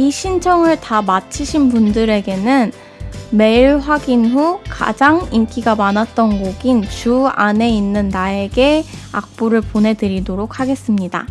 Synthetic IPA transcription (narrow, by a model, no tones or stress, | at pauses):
iɕʰint͡ɕʰʌŋɯɭtamat͡ɕʰiɕʰinpundɯɾe̞ɡe̞nɯn | me̞iɭɸwaɡinɸuka̰d͡ʑaŋimk͈ʰiɡamanat̚t͈ʌnɡoɡint͡ɕuane̞inːɯnːae̞ɡe̞a̰k̚p͈oɾɯɭponɦe̞dɯɾidoɾok̚ʰhaɡe̞s͈ɯmɲida̰